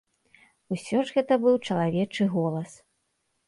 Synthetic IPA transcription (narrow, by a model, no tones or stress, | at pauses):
usʲɔʐɣɛt̪ɐbɨwt͡ʂɐlˠavʲɛt͡ʂɨɣɔlˠɐs